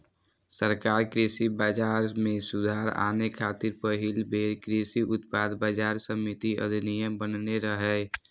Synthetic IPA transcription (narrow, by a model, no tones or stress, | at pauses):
səɾkaːɾkɾesibaːd͡ʒaːɾmẽsʊd̪ʱaːɾa̰ːnekʰaːt̪ɪɾpəɦɪlbʱeːɾkɾisiʔʊt̪paːd̪baːd͡ʒaːɾsəmɪt̪iə̰d̪ʱnijə̃bənneɾəɦɛː